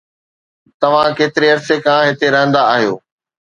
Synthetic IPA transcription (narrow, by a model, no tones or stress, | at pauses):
t̪ɐʋ̤ãkeːt̪ɪɾeɐɾsekãːɦɪt̪eɾɐɦə̃nd̪aːɦijo̰ː